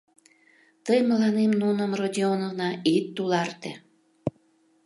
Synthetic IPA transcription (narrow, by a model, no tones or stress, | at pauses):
t̪əjməlɑnemnunəmrod̪ʲionəvnɑit̪ːulɑrt̪e